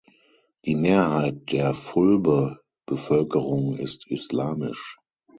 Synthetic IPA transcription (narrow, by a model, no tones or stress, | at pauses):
d̥iːmeːɐhaɪt̚d̥eːɐfʊlbə | b̥əfœlkəʁʊŋɪ̰stislaːmɪ̰ʃ